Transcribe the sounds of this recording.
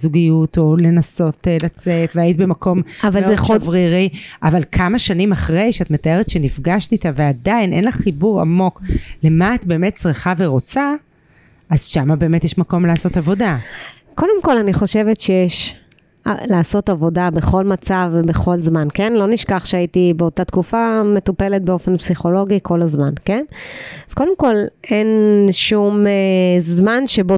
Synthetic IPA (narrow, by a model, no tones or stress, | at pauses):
zuɡijuto̞le̞naso̞tlat͡se̞tveajit̪ibemako̞mavazevʁiʁiavalkʰamaʃanimaχʁe̞jʃeatme̞tae̞ʁetʃenifɡaʃtit̪aveadajnʔe̞nlaχːibuʁa̰mo̞kle̞maːt̪̚be̞ːme̞t̚t͡sʁiχave̞ʁo̞t͡sa | azʃamabe̞ːmetjeʃmako̞mleaːso̞tavo̞da | ko̞de̞mko̞laniχo̞ʃe̞vetʃejeʃ | alaːso̞tavo̞dabe̞χo̞lmat͡savbeχo̞lzmankenlo̞niʃkaχʃeaitibeotat̪kufame̞t̪upe̞le̞t̚beo̞fe̞npsiχo̞lo̞ɡikʰo̞lazmanke̞naz̥ko̞demko̞le̞nʃumezmanʃebo